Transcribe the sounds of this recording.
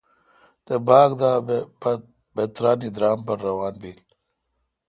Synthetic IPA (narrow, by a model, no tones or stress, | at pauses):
t̪ebaːɡd̪aː | bet̪ɾaːniːd̪ɾaːmpɐɾːɐwaːnbiːl